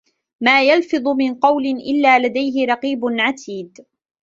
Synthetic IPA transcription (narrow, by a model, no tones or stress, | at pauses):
maːjalfɨðˤʊmɪnqɑwlɪnʔɪlːaːlad̪ajɦɪɾˤɑqiːbʊnʕat̪ʰiːd̪